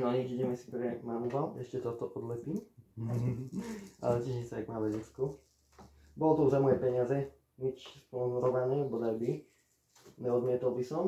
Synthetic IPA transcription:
nɔɲikiɟɛmɛsi̥pɾɛmanualɛʃcɛt̪ɔt̪ɔʔɔd̪mɛt̪im | ʔa̰lɛcɛʒɲɛt͡sɛaɡmaːʋɛɟɛt͡sku | bɔlɔt̪ɔuzamɔjɛpɛɲɪazɛ | ɲit͡ʃspɔnzuɾɔʋanɛbɔd̪albi | ɲɛɔd̪mɪɛt̪ɔlˠbisɔm

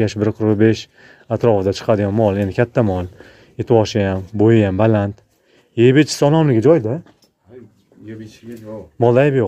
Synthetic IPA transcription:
aʃbɪɾqʰʊɾbe̞ʃ | at̪ɾɒfɪd̪at͡ʃʰɨ̥qʰɑd̪ɪɡʲamːɒlˠend̪ɪkʲʰat̪ʰːamɒlˠ | et̪ʰɪwɒʃɪjambojɪjambalant̪ | jejbet͡ʃʰɪ̥sɒlˠɒmlɪɡʲad͡ʒɒjd̪ɪ | mɒlˠd̪ajɪbjo

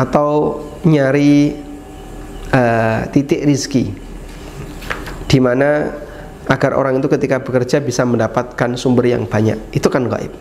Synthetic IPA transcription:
at̪aw | ɲaɾi | ət̪it̪ɪʔɾiski | d̥imana | aɡarʔo̰ɾaŋit̪ukət̪ikabəkərd͡ʒabisaməndapat̪̚kansumbərja̰ŋb̥aɲa̰kit̪ukanɡa̰ʔɪ̰p̚

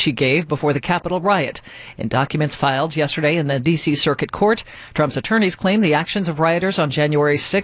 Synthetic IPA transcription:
ʃiɡeɪvbəfɔɹðɨkʰæpəɾl̩ˠɹaɪɨɾ | ɨ̰̃ndɑkjɨmɨ̃ntsfaɪlˠdjɛstə˞ɾeɪɨ̃nðɨdisisɜ˞kɨt̚kʰɔɹt | d̥ɹ̥ʌ̃mpsɨtʰɜ̃˞ñiz̥kʰl̥ẽɪ̃mðiækʃɨ̃nzʌvɹaɪɨɾə˞zn̩d͡ʒæ̃njuɛɹisɪ

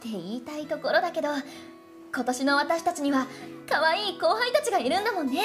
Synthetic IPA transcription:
t̪e̞iːt̪ait̪o̞ko̞ɾo̞d̪ake̞d̪o̞ | ko̞t̪o̞ɕino̞βat̪aɕi̥t̪at͡ɕiɲ̟iβakaβaiːko̞ːɦãĩt̪at͡ɕiɡaiɾɯ̟̃nd̪amõ̞nːe̞

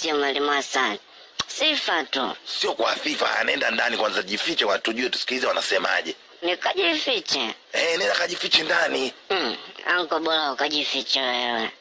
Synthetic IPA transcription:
siɔmalimasan | sifatṵsiɔkwafifa̰ha̰nɛndandanikwanzaʄifit͡ʃɛkwatuʄuɛtu̥si̥kilizɛwanasɛma̰ʄɛ | nikaʄifit͡ʃɛ | ɛnɛnakaʄifit͡ʃɛndani | a̰ŋkɔɓɔlaukaʄifit͡ʃɛwɛwɛ

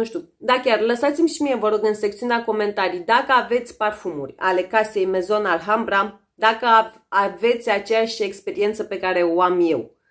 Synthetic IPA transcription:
nuʃt̪ʲu | d̪akʲarləsat̪simʲʃimije̞vəɾo̞ɡɨnse̞k̚t̪siuneako̞me̞nt̪aɾijd̪akəave̞t̪sʲparfumṵrʲa̰le̞kase̞jme̞zo̞nalɦambɾam | d̪akəa | ave̞t̪sʲat͡ʃejaʃʲe̞kspe̞ɾie̞nt̪səpe̞kaɾe̞oamje̞w

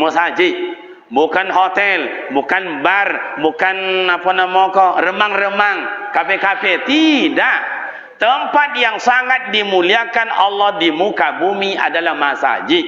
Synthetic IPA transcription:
musad͡ʒiʔ | bukanɦot̪ɛlbukanbarbukanapanamɔkɔrəmaŋrəmaŋkapɛkafɛt̪idaʔ | t̪əmpat̪̚jaŋsaŋat̪̚dimuliakanɑlːɔhdimukabumia̰dalahmasa̰d͡ʒiʔ

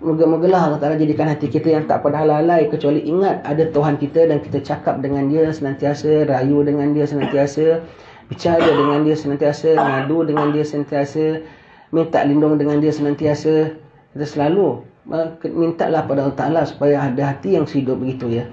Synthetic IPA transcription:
məɡəməɡəlahalat̪alad͡ʒadikanɦat̪ikit̪əjaŋt̪a̰ʔpadaɦalalajkət͡ʃualiʔiŋat̪̚adat̪uɦankit̪ədanki̥t̪ət͡ʃakap̚dəŋandiəsənãnt̪iasəɾajudəŋãndiəsənãnt̪iasə | bit͡ʃaɾədəŋãndiəsənant̪iasəŋadudəŋãndiəsənant̪iasə | mint̪a̰ʔlindʊŋdəŋandiəsənant̪iasə | kit̪əsəlaluʔəkmint̪a̰ʔlahpadaɦalt̪alasu̥pajaɦadəɦat̪ijaŋshidʊp̚bəɡit̪ujə

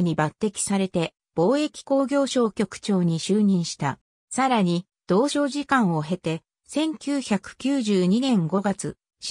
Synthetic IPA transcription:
ɲ̟ibat̪ːe̞kʲi̥saɾe̞t̪e̞ | b̥o̞ːe̞kʲi̥ko̞ːɡʲo̞ːɕo̞ːkʲo̞kɯ̟̥t͡ɕo̞ːɲ̟iɕɨːɲ̟ĩɰ̃ɕi̥t̪a̰ | saɾaɲ̟i | d̪̥o̞ːɕo̞ːʑikãɰ̃o̞ɦe̞t̪e̞ | sẽ̞ŋkʲɨːçakɯ̟̥kʲɨːʑɨːɲ̟inẽ̞ŋɡo̞ɡat͡sɨ̰ | ɕ

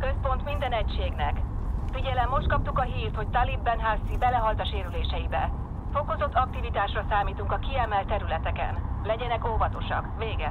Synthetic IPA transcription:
kø̞spo̞n̪t̪mind̪ɛnɛcʃeːɡnɛkfiɟɛlɛmːo̞ʃt̪̚kɒpt̪ukɒɦiːrt̪ho̞c̚t̪alibːɛnɦasːibɛlɛɦɒlt̪ɒʃeːɾyleːʃɛjibɛ̰ | fo̞ko̞zo̞t̪ːɒk̚t̪ivit̪aːʃrɒsaːmiːt̪uŋkɒkiɛmɛlt̪ːɛɾylɛt̪ɛkɛ̰nlɛɟɛnɛkoːvɒt̪o̞ʃɒ̰kveːɡɛ

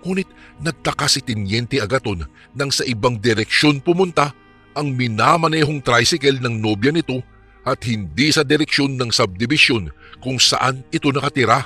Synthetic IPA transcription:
ŋuːnɪt̪̚nɐɡ̚t̪ɐkasɪt̪ɪnjɛnt̪ɛʔɐɡɐt̪o̞nː | ɐŋsɐʔɪbaŋd̪ɛɾɛkʃo̞npʊmʊnt̪a | ʔɐŋmɪnamɐnɛːɦo̞ŋt̪ɾajsɪkɛlnɐŋno̞bjɐnɪt̪o̞ | ʔɐt̪̚hɪnd̪isɐd̪ɛɾɛkʃo̞nːɐŋsɐb̚d̪ɪbɪsjo̞n | kʊŋsɐ̰ʔanɪt̪o̞nɐkɐt̪ɪɾa

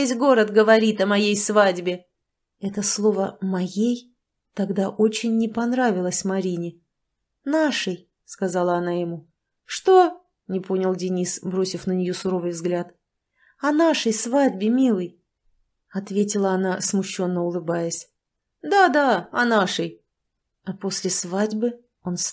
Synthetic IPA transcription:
esʲɡo̞ɾət̪ɡəvɐɾʲit̪ɐmɐjejsvadʲbʲɪ | ɛt̪əslˠo̞vəmɐjej | t̪ɐɡd̪aʔot͡ɕɪnʲːɪpɐnɾavʲɪlˠəsʲmɐɾʲinʲɪ | naʂɨj | skɐzalˠəɐnajɪmu | ʂt̪o̞ | nʲɪpo̞nʲɪlˠdʲɪnʲisbɾo̞sʲɪfnənʲɪjo̞sʊɾo̞vɨjvzɡlʲat̪ | ɐnaʂəjsvadʲbʲɪmʲilˠəj | ɐt̪vʲetʲɪlˠəɐnasmʊɕːo̞nːəʊlˠɨbajəsʲ | d̪ad̪aɐnaʂəj | ɐpo̞sʲlʲɪsvadʲbɨ | o̞ns

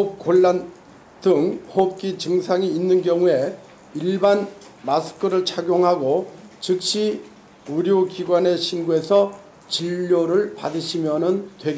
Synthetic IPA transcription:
op̚k͈oɭːan | dɯŋhop̚k͈it͡ɕɯŋsʰaŋiːnːɯnɡjʌŋue̞ | iɭban | masʰɯ̥kʰɯɾɯɭt͡ɕʰaɡjoŋɦaɡot͡ɕɯk̚ɕ͈i | uɾjokiɡwane̞ɕʰinɡue̞sʰʌ | t͡ɕiʎːoɾɯɭpa̰dɯɕʰimjʌnɯntwe̞ɡe

